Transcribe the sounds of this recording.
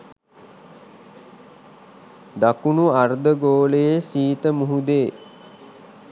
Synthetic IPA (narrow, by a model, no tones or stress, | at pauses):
d̪akunuard̪əɡoːlejesiːt̪əmuɦud̪eː